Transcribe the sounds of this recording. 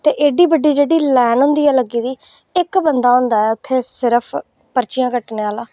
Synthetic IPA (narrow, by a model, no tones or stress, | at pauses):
t̪eːʔeːɖiːbəɖːiːd͡ʒeːɽiːlɛːnɦʊ̃nd̪iːaːləɡːiːd̪iː | ɪkbənd̪aːɦʊ̃nd̪aːɛːʊt̪ʰːeːsɪɾəpʰ | pəɾt͡ʃɪjãːkəʈneːaːlaː